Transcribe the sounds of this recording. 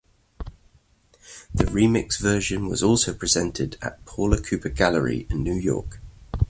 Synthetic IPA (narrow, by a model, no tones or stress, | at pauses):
ðəɹiːmɪksvɜːˑʃə̃nwɒ̰zɔˑlˠsəʊpʰɹ̥ɪz̥ɛ̃ntʰɪdə̰ʔpʰɔːləkʰʉˑpʰəɡaləɹḭɪ̃nːjʉːjɔ̰ˑk